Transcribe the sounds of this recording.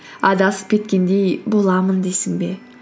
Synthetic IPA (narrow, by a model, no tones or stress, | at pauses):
ɑd̪ɑsə̥p̚kʲʰe̞t̪̚kʲe̞nd̪e̞jbo̞lˠɑmənd̪esɪŋbe̞